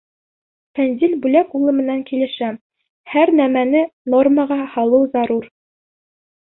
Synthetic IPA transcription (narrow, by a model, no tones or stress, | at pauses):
fænzʲilʲbʉlækulˠɤmɘ̆næŋkilɘ̆ʃæ | hæɾnæmænɘnorməʁɑhɑlˠɤwzɑɾuɾ